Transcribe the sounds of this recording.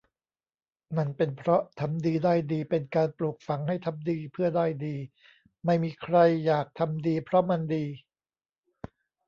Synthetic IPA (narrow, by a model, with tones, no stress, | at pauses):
ma˧npe˧npʰɾɔ˦˥t̪ʰa˧mdiː˧daː˥˩jdiː˧pe˧nkaː˧npluː˨˩k̚fa˩˦ŋha˥˩jt̪ʰa˧mdiː˧pʰɯ˥˩ɐdaː˥˩jdiː˧ | ma˥˩jmiː˧kʰɾa˧jːaː˨˩k̚t̪ʰa˧mdiː˧pʰɾɔ˦˥ma˧ndiː˧